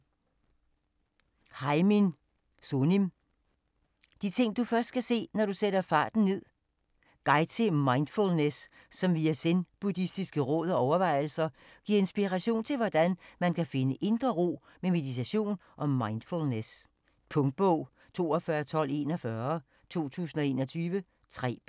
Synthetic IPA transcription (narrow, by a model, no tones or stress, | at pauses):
hɑ̈ɪmin | sonim | d̥it͡sʰe̝ŋ̰d̥ufɶɐsd̥̚kʰæse̝̰ːnɒɾ̥useɾ̥ɐfɑ̰̈ːd̥n̩ne̝ð̞̰ˠ | ɡ̥ɑ̈ɪt͡sʰemɑ̈ɪnd̥fulnesː | ɒ̽mʋiæsenb̥udisd̥isɡ̥əʁɔ̽ðˠɒɒʊɐʋɑ̈ɪ̰l̩sɐ | ɡ̥iɐe̝nsb̥iʁæɕo̝̰ːnt͡sʰe̝lʋɒd̥ænmænkʰæfe̝nəʔe̝nd̥ʁɐʁo̝̰ː | meme̝ðˠit͡sʰæɕo̝̰ːnʔɒ̽mːɑ̈ɪnd̥fulnes | pʰɔ̽ŋd̥̚b̥ɔʊ̰ | t͡sʰo̝̰ːɒfɶːɐt͡sʰɒ̽l̰e̝̰ːnɒfɶɐ | t͡sʰo̝̰ːt͡sʰṵːsn̩ɒ̽e̝̰ːnɒt͡sʰyːʋə | t͡sʰʁɛ̰ː